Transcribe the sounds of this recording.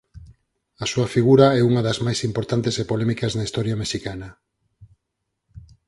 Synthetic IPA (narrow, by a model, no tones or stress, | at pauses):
ɐsuɐfiɣuɾaɛuŋɐðɐzmajsimpoɾt̪ant̪esepolɛmikɐznaist̪ɔɾjɐmeʃikanɐ